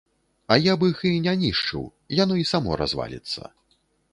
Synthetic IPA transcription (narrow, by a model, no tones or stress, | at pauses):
ɐjabɨxɨnʲanʲiʂt͡ʂɨ̰w | janɔisamɔ̰ɾa̰zva̰lʲḭt̪sːɐ̰